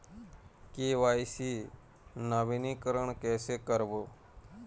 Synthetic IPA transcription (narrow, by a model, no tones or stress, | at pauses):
keʋaːisi | nəʋinikəɾəɳ̃kɛːsekəɾʋoː